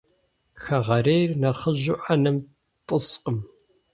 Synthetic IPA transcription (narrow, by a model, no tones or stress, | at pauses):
xɐʁɐɾejrnɐχəʑʊʔanɨm | tʼəsqəm